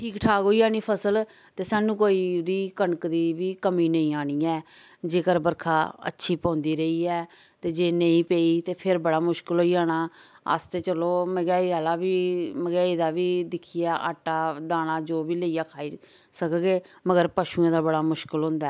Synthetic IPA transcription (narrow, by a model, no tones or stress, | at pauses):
ʈʰiːkʈʰaːkɦoːiːaːɽ̃iːpʰəsəl | t̪eːsaːnũːkoːiːd̪iːkəɳəkd̪iːʋiːkəmiːnəĩːaːɽ̃iːɛː | d͡ʒeːkəɾbəɾkʰaːə̰tːʃʰiːpɔ̃ːnd̪iːɾəiːɛː | t̪eːd͡ʒeːnəĩːpeːiːt̪eːpʰɪɾbəɽaːmʊʃkəlɦoːiːaːɽ̃aː | ə̰st̪eːt͡ʃəloːməɡɛːiaːlaːʋiːməɡɛːiːd̪aːʋiːd̪ɪkʰijaːʔa̰ːʈːaːd̪aːɽ̃aːd͡ʒoːbiːləijaːkʰaːi | səkɡeː | məɡəɾpəʃuːãːd̪aːbəɽaːmʊʃkəlɦʊ̃ːnd̪aɛː